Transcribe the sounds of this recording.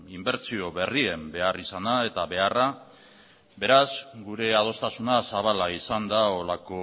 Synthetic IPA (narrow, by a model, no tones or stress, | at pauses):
imbe̞ɾt͡sio̞βe̞rie̞mbe̞arisanae̞t̪aβe̞ara | be̞ɾazɡuɾe̞að̞o̞st̪asunasaβ̞alaisand̪ao̞lako̞